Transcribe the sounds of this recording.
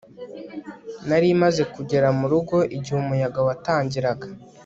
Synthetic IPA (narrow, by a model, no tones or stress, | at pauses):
naɾimaze̞kuɟe̞ɾamuɾuɡo̞ʔiɟihumujaɡawataːɲɟiɾaɡa